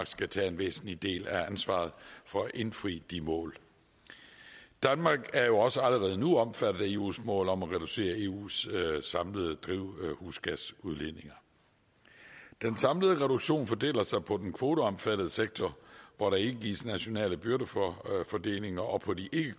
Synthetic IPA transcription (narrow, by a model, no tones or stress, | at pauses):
ɡ̥sɡ̥æt͡sʰɛ̰ːe̝nʋḛːsn̩lid̥e̝̰ːlæænsʋɑ̰̈ːð̩ˠfɒ̽æʔe̝nfʁḭːd̥imɔ̰̽ːl | d̥ænmɑ̈ːɡ̥æɐjo̝ɒ̽səæləʁɛːð̞ˠənuɒ̽mfæɾ̥ð̩ˠæe̝ːṵːsmɔ̰ːlɒ̽mæʁɛd̥use̝̰ːɐe̝ːṵːssɑ̈mləð̞̩ˠəd̥ʁiʊhuːsɡ̥æsuð̞ˠlene̝ŋɐ | d̥ensɑ̈mləðˠʁɛɾ̥uɡ̥ɕo̝̰ːnfɒd̥e̝̰ːlɐsɑ̈ɪpʰɒ̽d̥enkʰʋo̝ːt͡soɒ̽mfæɾð̞̩ˠəseɡ̥̚t͡sʰɒʋɒɾɑ̈e̝ɡ̥əɡ̥isnæɕo̝nɛ̰ːləb̥yɐɾəffɒd̥e̝̰ːle̝ŋɐʔɒ̽pʰɒ̽diʔe̝ɡ̥ə